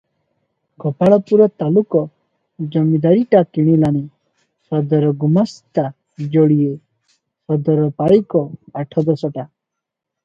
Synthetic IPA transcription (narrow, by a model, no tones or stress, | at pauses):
kɔpaɭɔpuɾɔt̪alukɔ | d͡ʒɔmid̪aɾiʈakiɽ̃ilani | sɔd̪ɔɾɔɡumast̪a | d͡ʒɔɽije | pɔd̪ɔɾɔpaɭikɔaʈʰɔd̪ɔsɔʈa